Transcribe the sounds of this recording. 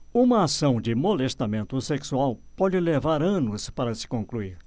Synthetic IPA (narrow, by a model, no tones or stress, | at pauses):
ũmɐasɐ̃w̃d͡ʒɪmolest̪amẽnt̪ʊseksuawpɔd͡ʒɪlevaɾɐ̃nʊspaɾɐsɪ̥kõŋkluiɾ